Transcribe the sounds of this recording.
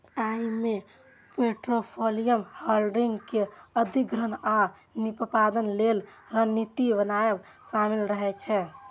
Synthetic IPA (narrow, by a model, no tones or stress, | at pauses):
ajme | peʈɾopʰolijəmhəlɖiŋɡkeəd̪ʱikɾəna | nippad̪ənlel | ɾənit̪ibənaeb | samilɾəɦɛt͡ʃʰɛ